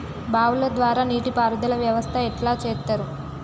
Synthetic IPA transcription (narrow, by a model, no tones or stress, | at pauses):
baːwulɐd̪ʋaːɾaːniːʈipaːɾɐd̪ɐlɐʋjɐʋɐst̪ʰɐɛʈlaːt͡ʃɛːt̪ːɐɾu